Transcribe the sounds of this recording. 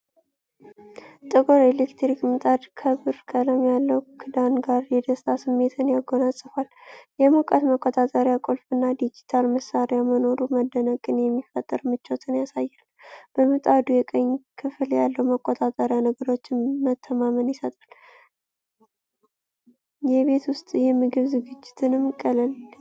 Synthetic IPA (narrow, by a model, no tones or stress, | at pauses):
t̪ʼɨɡo̞ɾelekt̪ɾikmɨt̪ʼad̪kʰəβɨɾkʰələmjalːəwkʰɨd̪anɡaɾjɛd̪əst̪ʰasɨmːe̞t̪ʰɨnjaɡonasʼɨfaljɛmukʼət̪məkʼːot̪ʼat̪ʼəɾjakʼo̞lfɨnːad̪id͡ʒit̪ʰalməsaɾjaməno̞ɾuməd̪ːənəkʼɨnjɛmːifət̪ʼːɨɾmɨt͡ʃːot̪ʰɨnjasajːalb̥əmɨt̪ʼad̪ujɛkʼəɲːkʰɨfljalːəwməkʼːot̪ʼat̪ʼəɾjanəɡəɾo̞t͡ʃːɪmət̪ʰːəmamənjɪsət̪ʼal | jɛβe̞t̪wʊst̪ʼjɛmːɨɡɨβzɨɡɨd͡ʒːɪt̪ʰɨnɨmkʼələl